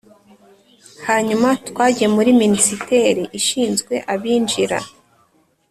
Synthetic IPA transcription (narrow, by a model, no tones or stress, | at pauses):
haɲumatwaːɟijemuɾiminisite̞ɾiʔiʃiːnzɡwe̞̰ʔaβiːnd͡ʒiɾa̰